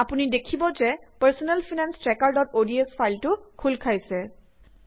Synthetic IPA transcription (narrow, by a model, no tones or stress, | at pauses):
apunidekʰibɔzɛpəɹsɔnɛlpʰinanstɹɛkaɹdɔtodiespʰajltʊkʰulkʰajsɛ